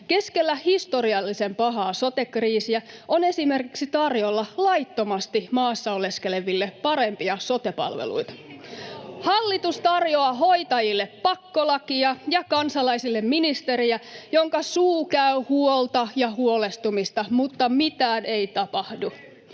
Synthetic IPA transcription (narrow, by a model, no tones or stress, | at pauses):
ke̞skelːæhist̪o̞riɑlːisempɑɦɑːso̞t̪e̞kriːsiæʔone̞simerkiksit̪ɑrjolːɑlɑit̪ːo̞mɑst̪imɑːsːɑole̞skele̞ʋilːepɑɾempiɑso̞t̪epɑ̰lʋḛlṵit̪ɑ̥ | hɑlːit̪ust̪ɑrjoɑɦo̞it̪ɑjilːeppɑkːolɑkiɑjɑkɑnsɑlɑisilːemminist̪eɾiæjoŋkɑsuːkæyhuolt̪ɑjɑhuole̞st̪umist̪ɑmut̪ːɑmit̪æːneit̪ɑpɑhdu